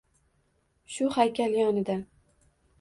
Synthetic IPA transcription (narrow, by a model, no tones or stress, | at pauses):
ʃʊhajkʲʰaljɒnɪd̪a